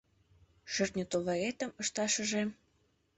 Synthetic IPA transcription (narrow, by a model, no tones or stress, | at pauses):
ʃyrt̪nʲə̆t̪oβɑɣet̪ə̆mɤ̆ʃt̪ɑʃɤ̆ʒe